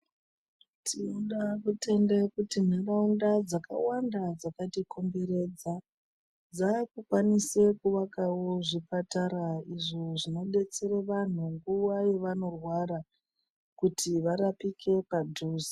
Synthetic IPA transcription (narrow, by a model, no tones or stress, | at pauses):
tʰiuɗakute̞ndekutin̤eraundad͡zaka̰wandad͡zakatikʰombeɾe̞d͡za | d͡zakukwanise̞kuʋakawo̞ʐipataɾaiʐoʐino̞ɓe̞t͡se̞ɾeʋan̤uŋɡuwaje̞ʋano̞rwaɾa | kutʰiʋaɾapikʰe̞padʱuːzi